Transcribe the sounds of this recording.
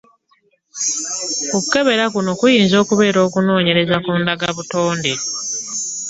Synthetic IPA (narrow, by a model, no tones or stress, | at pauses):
okuke̞βe̞ɾakuno̞kujiːnzo̞ːkuβe̞ːɾo̞ːkuno̞ːɲe̞ɾe̞zakuːndaɡaβuto̞ːnde